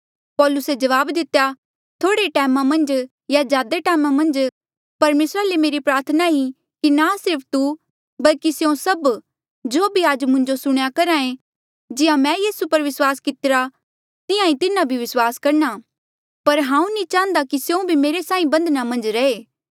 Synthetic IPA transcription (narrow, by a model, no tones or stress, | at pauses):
pɔːlʊsed͡ʒɐʋaːbd̪ɪt̪ja | t̪ʰoːɽeʈɛːmamɐ̃nd͡ʒ | jad͡ʒjaːd̪eʈɛːmamɐ̃nd͡ʒ | pɐɾmeːsɾalemeːɾipɾaːɾt̪ʰnai | kinasɪɾpʰt̪u | bɐlkisjõsɐb | d͡ʒoːbʱiaːd͡ʒmʊ̃ɲd͡ʒosʊɽ̃jakɐɾãːẽ | d͡ʒɪjãmɛ̃ːjiːsupɐɾʋɪswaːskɪt̪ɪɾa | t̪ɪjãĩt̪ɪnabʱiʋɪswaːskɐɾna | pɐɾɦãːũnĩt͡ʃãːənd̪akisjõbʱimeːɾesaːĩbɐ̃nd̪ʱnamɐ̃nd͡ʒɾɐeː